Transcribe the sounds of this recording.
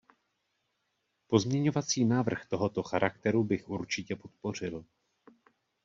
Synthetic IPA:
po̞zmɲɛɲo̞vat͡siːnaːvr̩xt̪o̞ɦo̞t̪o̞xaɾʔak̚t̪ɛɾubɪxʔuɾt͡ʃɪcɛpo̞t̪̚po̞r̝ɪl

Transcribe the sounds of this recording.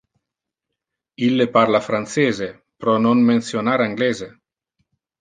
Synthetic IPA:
ilːepaɾlafɾant̪seːze | pɾɔnoŋmensjonaɾaŋɡlɛze

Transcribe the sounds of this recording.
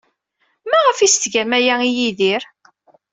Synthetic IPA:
mæʁəfist̪ʝæmæjæijiðiɾ

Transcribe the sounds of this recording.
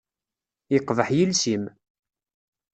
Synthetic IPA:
ɪqːvəħjilsim

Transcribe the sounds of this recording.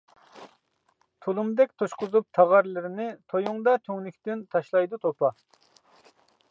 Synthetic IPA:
t̪ʰulˠumd̪ɛk̚ʲt̪ʰoʃqʊzup̚t̪ʰɑʁɑɾlɪɾɪnɪt̪ʰojuŋd̪ɑt̪ʲʰøŋlykʲt̪ynt̪ʰɑʃlˠɑjd̪ut̪ʰopɑ

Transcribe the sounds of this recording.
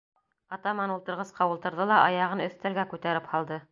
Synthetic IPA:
ɑt̪ɑmɑnulˠt̪ɤ̆ɾʁɤsqɑulˠt̪ɤ̆ɾðɤlˠɑʔɑjɑʁɤnɵ̆θt̪ælɡækʉt̪æɾɘphɑlˠd̪ɤ

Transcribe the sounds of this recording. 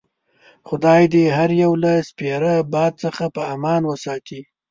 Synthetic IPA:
xʊd̪ɑjd̪eɦaɾjawlaspeɾəbɑd̪̚t͡səxapəamɑnwəsɑt̪i

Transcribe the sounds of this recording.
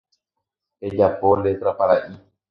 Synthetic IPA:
ed͡ʒapolet̪ɾapaɾaʔi

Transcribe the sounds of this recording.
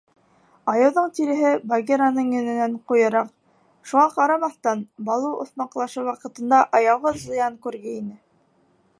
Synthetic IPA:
ɑjɤ̆wðɤɴt̪iɾɘ̆ɦɘbaɡʲeɾanɤɴjɵ̆nɘ̆næɴqujɤ̆ɾɑq̚ | ʃuʁɑqɑɾɑmɑθt̪ɑnbɑlˠuʔŏ̰θmɑqlˠɑʃɤwɑqɤ̆t̪ɤ̆nd̪ɑʔɑjɑwʁɤzˠŏjɑŋkʉɾɡɘinɘ

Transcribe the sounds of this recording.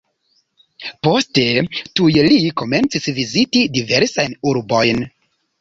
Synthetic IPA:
postetujelikoment͡sisvizitidiveɾsajnuɾbojn

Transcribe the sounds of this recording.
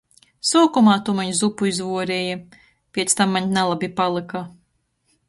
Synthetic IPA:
suɔkɔmaːt̪umaɲzupuizvuɔɾeːjɛ | pʲiɛt̪st̪amːaɲnalˠabʲipalˠɨka

